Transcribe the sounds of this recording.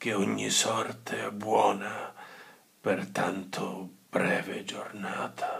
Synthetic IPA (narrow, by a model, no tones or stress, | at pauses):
k̟eɔɲːisɔrt̪ʰeɛbːwɔːna | pert̪ant̪ʰʊb̥ɾɛːved͡ʒornaːt̪ʰḁ